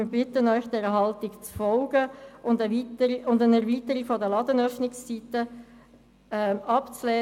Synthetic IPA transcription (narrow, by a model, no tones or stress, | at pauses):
ɪbɪtənœʏçd̥ɛɾəɦɑltɪkt͡sfɔlɡ̥əʊndəvitəʊndənɛʁviːtəɾikfɔdəlɑdənœfnɪkst͡siːtə | ɛɑpt͡slɛː